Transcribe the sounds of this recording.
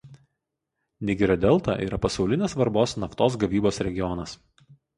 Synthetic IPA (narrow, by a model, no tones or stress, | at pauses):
nʲɪɡʲɪɾʲod̪ʲɛlˠt̪ɑ̰ːʔḭːɾɐpɐsɒʊlʲɪnʲeːsʋɐɾboːsnɐft̪oːs̬ɡɐʋʲiːboːsɾʲɛɡʲɪjɔnɐs